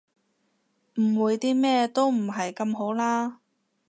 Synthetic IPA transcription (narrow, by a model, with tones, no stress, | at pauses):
m̩˨˩wuː˨˧jt̪iː˥mɛː˥t̪o˥wm̩˨˩ɦɐ˨jkɐ˧mɦo˨˥wlaː˥